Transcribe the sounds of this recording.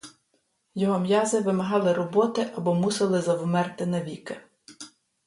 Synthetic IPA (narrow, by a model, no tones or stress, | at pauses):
jɔɦɔmjɑzɪʋɪmɐɦɑlˠɪɾɔbɔt̪ɪʔɐbɔmusɪlˠɪzɐwmɛrt̪ɪnɐʋʲikɪ